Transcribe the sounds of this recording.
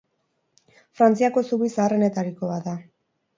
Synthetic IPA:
fɾant͡siako̞suβisaːre̞ne̞t̪aɾiko̞βaða

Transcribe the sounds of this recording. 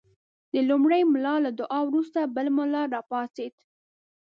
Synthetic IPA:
d̪əlumɽəjmlɑlad̪ʊʔɑwɾust̪abəlmʊlɑɾɑpɑsed̪

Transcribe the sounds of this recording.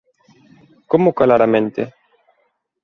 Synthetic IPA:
komokalaɾamẽnt̪e

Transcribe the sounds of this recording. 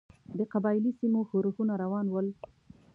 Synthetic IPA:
d̪əqabɑjlisimoxoɾhunaɾawɑnwəl

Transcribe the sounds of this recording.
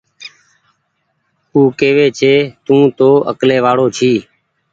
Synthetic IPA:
uːkeːʋeːt͡ʃʰeːt̪ũːt̪oːə̰kleːʋaːɽoːt͡ʃʰiː

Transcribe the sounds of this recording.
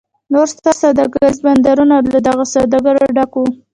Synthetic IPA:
noɾst̪ɑsad̪aɡazband̪aɾunalad̪aɣasawd̪aɡaɾoɖaku

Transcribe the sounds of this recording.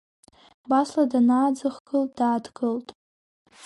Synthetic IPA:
basladanaːd͡zɨχɡ̥ɨltʼdaːdɡɨltʼ

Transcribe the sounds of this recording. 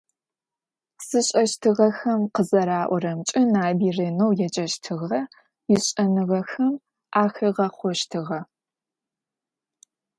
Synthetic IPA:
sɨɕʼɐʃtʰɨʁɐxɐmqəzɐɾaːʔʷɔrɐmt͡ʃʼɪnaːbiːrɐnowjɛt͡ʃʼɐʃtʰɨʁɐ | jɪɕʼɐnɨʁɐxɐm | ʔaːxɐʁɐχʷɔʃtʰɨʁɐ

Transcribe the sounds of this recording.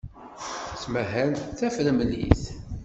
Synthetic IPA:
t͡sːməɦænθæfɾəmlḭθ

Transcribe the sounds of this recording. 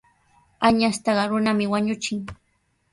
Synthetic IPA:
aɲast̪ɑɢɑɾʊnamɪwaɲʊt͡ʃɪŋ

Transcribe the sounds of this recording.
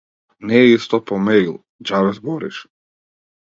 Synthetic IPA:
nɛist̪ɔpɔmɛilˠ | d͡ʒavɛzbɔɾḭʃ

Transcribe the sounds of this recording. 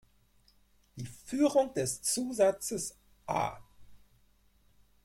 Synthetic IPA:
d̥iːfyːʁʊŋd̥ɛst͡suːzat͡səs | ʔa̰ː

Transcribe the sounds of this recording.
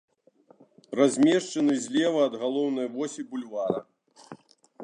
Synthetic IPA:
razʲmʲɛʂt͡ʂɐnɨzʲlʲɛvɐːd̪ɣalˠɔwn̪ɐjvɔsʲibulʲvaɾɐ̰

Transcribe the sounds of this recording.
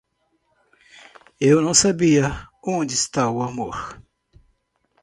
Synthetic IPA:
ewnɐ̃w̃sabiɐõd͡ʒɪɪst̪aʊamoɾ

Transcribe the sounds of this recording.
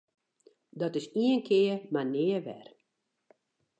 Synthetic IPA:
dɔtɪsiənkʰɪːərmanɪːəʋɛ̰r

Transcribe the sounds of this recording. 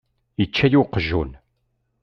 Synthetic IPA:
ət͡ʃːæjuqːəʒṵn

